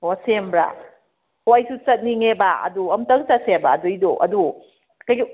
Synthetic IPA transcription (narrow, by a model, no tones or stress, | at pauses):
osembɾa̰ | hoajsut͡ʃɐt̚niŋebaɐ̰duɐmtɐŋsɐt̚sebaːdujdoʔɐ̰du | kɐjɡi